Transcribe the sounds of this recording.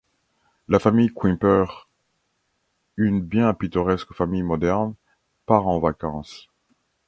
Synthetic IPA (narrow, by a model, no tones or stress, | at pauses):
lafamijkwɛ̃pœʁ | ynbjɛ̃pit̪ɔʁɛskfamijmɔd̪ɛʁn | paʁɑ̃vakɑ̃s